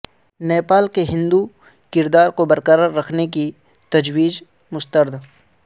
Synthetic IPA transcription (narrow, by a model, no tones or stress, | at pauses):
neːpaːlkeɦɪ̃nd̪u | kɪɾd̪aːɾkobɐɾkəɾəɾːɐkʰnek̬i | t̪ɐd͡ʒwiːd͡ʒ | mʊst̪əɾd̪